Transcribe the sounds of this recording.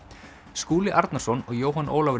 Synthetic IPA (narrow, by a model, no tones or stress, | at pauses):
skuːlɪʔaɾt̪naɾ̥sɔnɔɣjoːwɦanʔo̰ːlavɾ